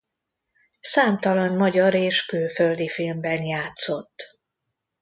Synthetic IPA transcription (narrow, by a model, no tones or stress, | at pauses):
saːmt̪ɒlɒnmɒɟɒɾeːʃkøːføld̪ifilmbɛnjaːt̪so̞t̪ː